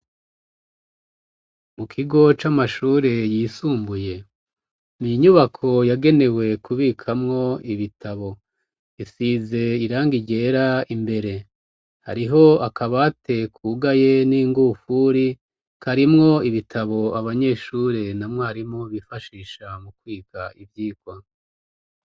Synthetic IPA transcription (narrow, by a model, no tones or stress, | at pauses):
mukʰiɡo̞t͡ʃamaʃuːɾe̞jiːsuːmbuje̞ | miɲuβakʰo̞jaɡe̞ne̞we̞kʰuβiːkʰamŋo̞iβitʰaβo̞ | isize̞iɾaːŋɡiɟe̞ːɾaimbe̞ɾe̞ | ha̰ɾiɦo̞akaβatʰe̞kʰuɡaje̞niːŋɡufuɾi | kʰaɾimŋo̞iβitʰaβo̞aβaɲe̞ːʃuːɾe̞namŋohaɾimŋo̞βifaʃiːʃamukwiːkaivjiːkwa